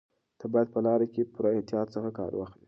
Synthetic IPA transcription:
t̪əbɑjad̪̚pəlɑɾakepuɾaet̪ijɑt̪səxakɑ̰ɾwɑ̰xli

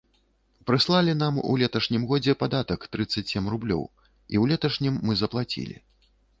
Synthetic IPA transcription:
pɾɨslˠalʲin̪amṵlʲɛt̪ɐʂnʲimɣɔd͡zʲɛpad̪at̪ɐkt̪ɾɨt̪sːɐt͡sʲsʲɛmrublʲɔ̰w | iwlʲɛt̪ɐʂnʲimːɨzɐplˠat͡sʲḭlʲḭ

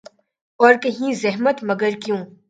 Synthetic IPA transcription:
ɔːɾkɐɦĩzɛɦmət̪mɐɡəɾkjũː

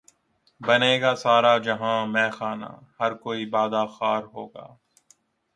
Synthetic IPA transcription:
bɐneːɡasaːɾad͡ʒɐɦãːmɛ̃ːxaːna̰ːhɐɾkoːibaːd̪axaːɾɦo̰ːɡa̰ː

